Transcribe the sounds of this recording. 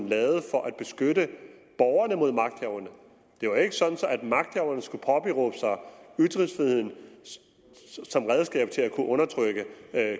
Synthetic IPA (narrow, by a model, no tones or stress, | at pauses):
n̩lɛːʊð̞̩ˠfɒ̽ʔæd̥̚b̥e̝sɡ̥øɾəb̥ɒʊɐnəmo̝ð̞̰ˠmɑ̈ɡ̥d̥hɛʊɐnə | d̥e̝ʋɑ̈e̝ɡ̥əsɒ̽d̥n̩sɒ̽æd̥mɑ̈ɡ̥̚d̥hɛʊɐnəsɡ̥upʰɒ̽b̥iʁɔ̰ːb̥əsɑ̈ɪyd̥ʁiŋsfʁiðˠhe̝ð̰ˠn | sɒ̽mʁɛð̞ˠsɡ̥ɛ̰ːb̥̚t͡sʰe̝lækʰuʔɔ̽nɐt͡sʰʁœɡ̥ə